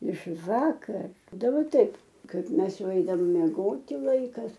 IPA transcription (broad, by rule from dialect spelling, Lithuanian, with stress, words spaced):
ɪʃ ˈʋɑːkɐr dɐˈbɐ ˈtɐɪp ˈkɐɪp ˈmʲɛs ˈjɛʊ ˈɛɪdɐʋoːm mʲiɛˈɡoːtʲɪ ˈlˠɐɪkɐs